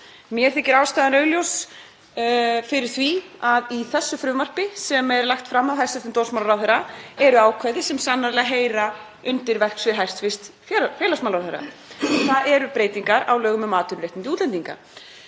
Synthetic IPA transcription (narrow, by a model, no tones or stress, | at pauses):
mjɛɾ̥θɪcɪɾaːwst̪aːðanœːɥljows | fɪɾɪɾ̥θviaðiθɛsːʏfɾʏmar̥pɪsɛmɛɾlaxt̪fɾamːawɦajst̪ɪst̪ɪnt̪owrsmawlɾawθeɾaɛɾʏaːwkʰvajðɪsɛmsanːaɾlɛɣaɦeːjɾa | ʏnt̪ɪɾvɛr̥ksvɪðɦajr̥t̪fɪst̪ | fɛfɛːlasmalɾawθeɾːa̰ | θaðɛɾʏpɾeːjt̪iŋkaɾawlœːɣʏmɛmaːt̪ʏɾɾejht̪ɪnt̪ɪuːt̪lɛnt̪iŋka̰